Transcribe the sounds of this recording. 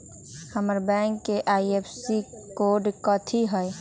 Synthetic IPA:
həməɾbɛ̃ŋkːeʔaːiepʰsi | koːɾɖkət̪ʰiɦəj

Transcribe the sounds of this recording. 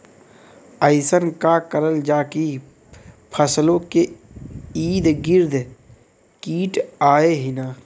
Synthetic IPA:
əɪsənkakəɾəld͡ʒaːki | pʰəslõke | iːd̪ɡɪɾd̪ | kiːʈaːeɦɪnaː

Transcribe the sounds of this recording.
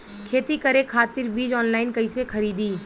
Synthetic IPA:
kʰeːt̪ikɐɾekʰaːt̪ɪɾbiːd͡ʒɔːnlaːɪnkɐisekʰɐɾiːd̪iː

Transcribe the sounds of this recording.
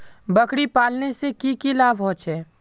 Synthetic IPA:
bɐkɽipaːlnesekikilaːbɦõːt͡ʃɦɛː

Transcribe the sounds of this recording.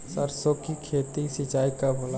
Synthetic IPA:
səɾsokikʰeːt̪isit͡ʃaːikabola

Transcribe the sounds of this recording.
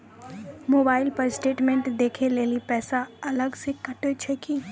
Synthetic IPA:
moːbaːɪlpɐɾsʈeːʈmẽɳʈd̪eːkʰeleːlipɛːsaɐləɡsekɐʈet͡ʃʰɛki

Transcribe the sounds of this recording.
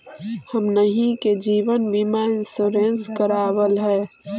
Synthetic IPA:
həmnəɦĩked͡ʒiːʋənbimaɪnsoɾẽnskəɾaːwəlɦɛː

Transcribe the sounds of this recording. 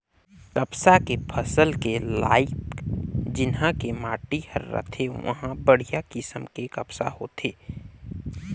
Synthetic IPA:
kɐpsakepʰɐsəlkela̰ːɪpd͡ʒɪnɦãkemaːʈihɐ̰ɾːə̰t̪ʰeʋɐ̰ɦãbəɽ̤ijakɪsəmkekɐpsa̰ho̰ːt̪ʰeː

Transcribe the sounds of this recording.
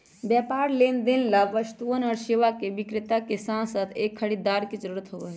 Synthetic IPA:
bjɛːpaːɾleːnd̪enlaʋəst̪uənɔːɾsiʋakeʋikɾɪt̪akesãnsəd̪eːkʰːəɽid̪aɾked͡ʒəɾuɾət̪ɦoʋɛɦ

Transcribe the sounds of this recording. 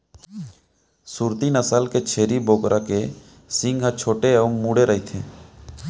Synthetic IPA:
suːɾt̪inəsəlket͡ʃʰeːɾiboːkɾʔake | sɪ̃ŋɡɦət͡ʃʰoːʈeəʊŋmuːɽeɾəɦit̪ʰḛː

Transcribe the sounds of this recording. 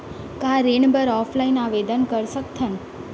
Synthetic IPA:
kãɾeɳbəɾɔfʰlainaʋed̪ənkəɾʃəkt̪ʰən

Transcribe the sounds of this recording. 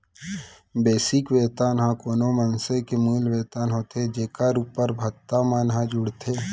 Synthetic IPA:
beːsɪkʋeːt̪aːnɦãkoːnomənsekemuːlʋeːt̪aːnɦoːt̪ʰed͡ʒeːkaɾuːpːəɾbʱɐt̪ːamanɦãd͡ʒʊɽt̪ʰeː

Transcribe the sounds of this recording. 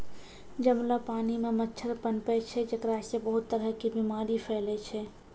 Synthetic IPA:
d͡ʒəmlapaːnimemətːʃʰəɾpənpɛt͡ʃʰɛd͡ʒəkɾasebəɦʊt̪ːəɾəɦkibimaːɾipʰɛːlɛt͡ʃʰɛ

